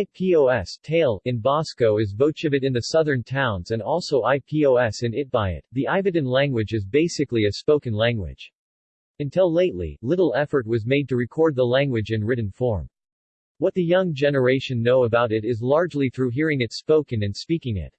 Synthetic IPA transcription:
aɪpʰioʊɛstʰeɪlˠɨ̃nbɑskoʊɨzvoʊt͡ʃʌvɨɾɨ̃nðɨsʌðə̃˞ntʰãʊ̃nzɨ̃nɔlˠsoʊʔaɪpʰioʊɛsɨ̃nɪt̚b̥aɪɪ̰t̪̚ðiʔaɪvɨdɨ̃nlæ̃ŋɡwɨd͡ʒɨzbeɪsɨkliɨspoʊkɨ̃nlæ̃ŋɡwɪ̰d̥d͡ʒ̥ | ɨ̃ntʰɪlˠleɪtˡlḭlɪɾl̩ˠɛfə˞t̚wʌzmeɪd̚tɨɹɨkʰɔɹd̪̚ðəlæ̃ŋɡwɨd͡ʒɨ̃nɹɪʔn̩fɔɹm | wʌt̪̚ðɨjʌ̃ŋd͡ʒɛnə˞eɪʃɨ̃nːoʊəbaʊɾɨɾɪzlɑɹd͡ʒliθɹʉɦiɹɪ̃ŋɨtspoʊkɨ̃nɨ̃nspikɪ̃ŋɪ̰t̚

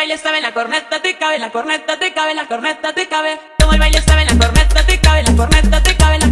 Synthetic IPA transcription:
ajlest̪aβelakoɾnet̪at̪ekaβelakoɾnet̪at̪ekaβelakornet̪at̪ekaβe | t̪omolβajlest̪aβelakoɾnet̪at̪ekaβelakoɾnet̪at̪ekaβela

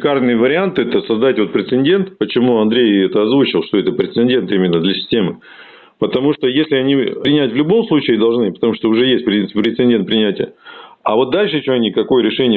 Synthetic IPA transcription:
karnɨjəvəɾʲɪant̪ɨɛt̪əsɐzd̪atʲvo̞t̪̚pɾʲɪt̪sɨnʲdʲe̞nt̪pət͡ɕɪmuɐnd̪ɾʲejɛt̪əɐzvut͡ɕɪlˠʂt̪o̞ɛt̪əpɾʲɪt̪sɨnʲdʲe̞nt̪imʲɪnːəd̪lʲəsʲɪ̥sʲtʲe̞mɨ | pət̪ɐmuʂt̪ojesʲlʲɪɐnʲiɾʲɪnʲætʲvlʲʊbo̞mslˠut͡ɕɪːd̪ɐlˠʐnɨpə̥t̪ɐmuʂt̪oʊʐɛjesʲt̚ʲpɾʲɪinɨ̥pʲpɾʲɪt̪sɨɪnʲdʲe̞nt̪̚pɾʲɪnʲætʲɪjəavo̞t̪̚d̪alʲʂɨt͡ɕemnʲikɐko̞jəɾʲɪʂɛnʲɪjə

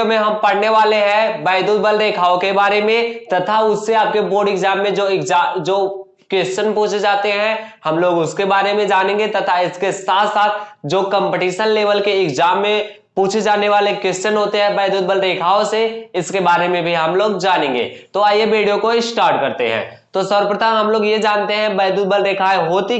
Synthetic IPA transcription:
mẽɦɐmpɐɽneʋaːleɦɛ̃bɛːd̪uːd̪̚bəlɾeːkʰaːokebaːɾemẽt̪ɐt̪ʰaʊsːeaːp̚keboːɖɪkzaːmːẽd͡ʒoːɪkzaːd͡ʒoː | kwɛst͡ʃənpũːt͡ʃʰed͡ʒaːt̪eɦɛ̃hɐmloːɡʊskebaːɾemẽd͡ʒaːnẽːŋɡet̪ɐt̪ʰaɪskesaːt̪ʰsaːt̪̚ʰd͡ʒoːkə̃mpeʈiːʃənleːʋəlkeɪkzaːmːẽ | puːt͡ʃʰed͡ʒaːneʋaːlekwɛst͡ʃənɦoːt̪eɦɛ̃bɛːd̪uːd̪̚bəlɾeːkʰaːõseɪskebaːɾemẽbʱiɦɐmloːɡd͡ʒaːnẽŋɡḛːt̪oajebeːɽijõkoɪsʈaːɾʈkɐɾt̪ḛɦɛ̰̃ː | t̪oːsɔɾpɾət̪aɦɐmloːɡjed͡ʒaːnt̪eɦɛ̃bɛːd̪uːd̪̚bəlɾeːkʰaːeɦoːt̪i

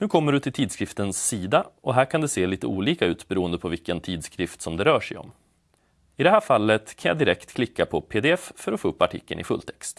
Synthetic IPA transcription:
nʉ̟ːkʰɔmːəɖɵt̪ʰɪlt̪ʰiːd̪skɾɪft̪ənsːiːd̪aʔɔɦæːɾkʰand̪ɛseːliːt̪əuːliːkaʉ̟ːt̪bɛɾuːənd̪əpʰɔvɪkːənt̪ʰiːd̪skɾɪft̪sɔmd̪ɛɾœːʂɛjɔ̰m | ɪd̪ɛhæːɾfalːət̪kʰanja̰d̪ɪɾɛkt̪kʰlɪkːapʰɔpʰeːd̪ɛɛffœɾɔfoːɵpːaʈʰɪ̰kːə̰nʔɪ̰fɵ̰lt̪ʰɛkst̪

